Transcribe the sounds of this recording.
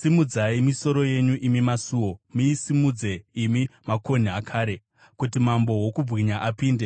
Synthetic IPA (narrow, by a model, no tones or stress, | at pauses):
simud͡zaimiso̞ɾo̞je̞ɲuʔimimasuːwo̞muisimud͡ze̞imimako̞n̤iakʰaːɾe̞ | kutimambo̞wokub͡vʱwiɲaʔapiːnde̞